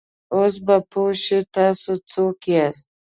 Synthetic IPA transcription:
os̬bapʰoʃet̪ɑːsot͡sokias

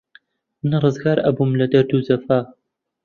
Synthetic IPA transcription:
mɨnrˤɨzɡaːɾʔɐ̰bumlɐd̪ɐɾd̪uːzɐfaː

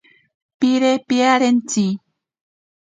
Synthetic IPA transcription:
piɾepiaɾent͡si

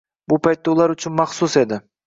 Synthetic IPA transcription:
bʊpʰajt̪ːaʊlˠaɾʊt͡ʃʰʊnmaχsʊse̞d̪ɪ

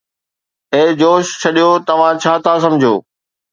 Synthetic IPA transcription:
eːd͡ʑoːʃt͡ɕʰɐɗijot̪ɐʋ̤ãt͡ɕʰaːt̪ʰasɐ̃md͡ʑʱjoː

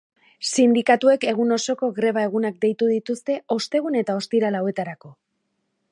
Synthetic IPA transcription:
sind̪ikat̪ue̞ke̞ɣ̞uno̞so̞ko̞ɣɾe̞β̞ae̞ɣunak̚d̪e̞jt̪uðit̪ust̪e̞o̞st̪e̞ɣ̞une̞t̪ao̞st̪iɾalaowe̞t̪aɾako̞

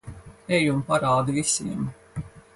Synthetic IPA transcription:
ɛjumpaɾaːd̪ivisiɛm

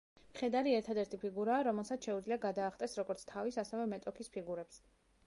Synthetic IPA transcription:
mχɛd̪aɾiɛɾt̪ʰad̪ɛɾt̪ʰipʰiɡuɾaːɾɔmɛlˠsat̪ʃɛud̪zliaɡad̪aːχt̪ʼɛsɾɔɡɔɾt̪sʰt̪ʰavisasɛvɛmɛt̪ʼɔkʰispʰiɡuɾɛps

